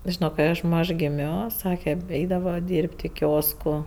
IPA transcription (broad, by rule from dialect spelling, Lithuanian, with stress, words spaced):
ˈʒʲɪnoː kɐɪ ˈɐʃ ˈmɐʃ ɡʲɪˈmʲoː ˈsɑːkʲɛ ˈɛɪdɐʋɐ ˈdʲiːrʲpʲtʲ ɪ ˈkʲoːskʊ